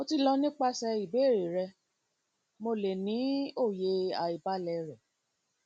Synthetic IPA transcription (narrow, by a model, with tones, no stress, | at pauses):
mo˧ti˧lɔ˧nĩ˦k͡pa˦sɛ˧i˨be˨˦˨ɾe˨ɾɛ˧ | mo˧le˨nĩ˨˦o˦˨je˧a˨i˨ba˦lɛ˧ɾɛ˨